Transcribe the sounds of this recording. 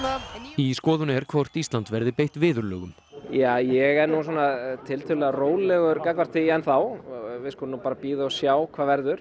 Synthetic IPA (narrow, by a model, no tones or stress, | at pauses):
iskɔːðʏnɛɾ̥kʰvɔr̥t̪ist̪lant̪vɛɾðɪpejht̪vɪːðʏɾlœ̰ːɣʏm | jaːjɛɣɛɾnuswaːnat̪ʰɪlt̪ʰʏlɛɣaroːwllɛɣʏɾkakvaɾ̥t̪ɪɛnθawveɪskɔlnːupaːɾapiːðaɔsjaːwkʰvaːvɛɾðʏɾ̥